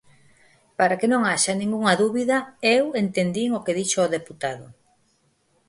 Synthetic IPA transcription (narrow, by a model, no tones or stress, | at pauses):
paɾakenõŋaʃanĩŋɡuŋɐðuβiðɐewent̪end̪iŋokeðiʃooðeput̪aðʊ